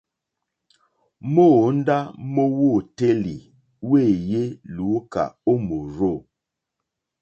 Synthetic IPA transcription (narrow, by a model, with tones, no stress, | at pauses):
mo˦˨˦n̩˦da˦mo˦wo˦˨te˦li˨ | we˦˨je˦lu˨˦ka̰˨o˦mo˨ɾo˦˨